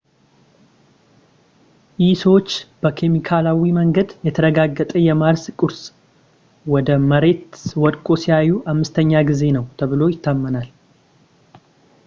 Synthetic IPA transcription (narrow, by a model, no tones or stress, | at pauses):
jiswt͡ʃːb̥əkʰe̞mikʰalawiməŋɡəd̪jɛt̪ʰəɾəɡaɡːət̪ʼəjɛmaɾskʼuɾs | wɔd̪əməɾe̞t̪wɔd̪kʼosijajːuʔamːɨst̪ʰəɲːaɡize̞nəwt̪ʰəβɨlo̞jɪt̪ʰːamːənal